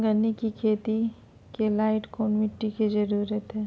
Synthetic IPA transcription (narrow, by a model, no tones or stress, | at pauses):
ɡɐnːikikʰeːt̪i | kelaːɪʈkoːnmɪʈːiked͡ʒɐɾuːɾət̪ɦɛː